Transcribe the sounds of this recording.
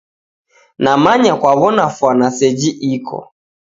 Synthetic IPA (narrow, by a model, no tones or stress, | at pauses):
namaɲakwaβɔnafwanasɛd͡ʒiʔikʰɔ̰